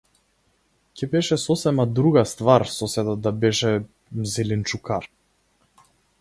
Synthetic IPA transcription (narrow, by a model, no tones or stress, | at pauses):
cɛbɛʃɛsɔsɛmad̪ɾuɡast̪vaɾsɔsɛd̪ad̪abɛʃɛ | zɛlint͡ʃukaɾ